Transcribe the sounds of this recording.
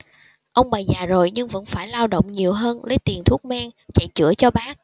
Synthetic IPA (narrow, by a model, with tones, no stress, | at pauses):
ʔə˧wŋ͡mɓa˨˩jzaː˨˩zo˨˩jɲɨ˧ŋvə̰˧˥nfaː˧˩jlaː˧wɗo̰˧˨wŋ͡mɲi˨˩əwɦəː˧nlə˨˦jt̪i˨˩ənt̪ʰu˦˥ək̚maː˧ŋt͡ɕa̰˧˨jt͡ɕɨ̰˧˩ət͡ɕɔ˧ɓaː˦˥k̚